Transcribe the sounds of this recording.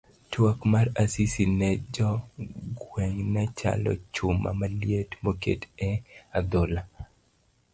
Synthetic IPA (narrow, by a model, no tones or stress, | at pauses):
twokmarasisinɛd͡ʒɔɡweŋnɛt͡ʃa̰lɔ̰t͡ʃʊma̰malijetmokḛtɛad̪ola